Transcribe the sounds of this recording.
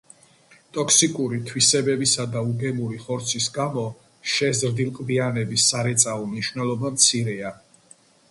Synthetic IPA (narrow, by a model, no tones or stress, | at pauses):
t̪ʼɔksikʼuɾit̪ʰwisɛbɛbisad̪auɡɛmuɾiχɔɾt̪sʰisɡamɔ | ʃɛzɾd̪ilˠqʼbianɛbisːaɾɛt̪sʼaɔmniʃwvnɛlˠɔbamt̪sʰiɾɛa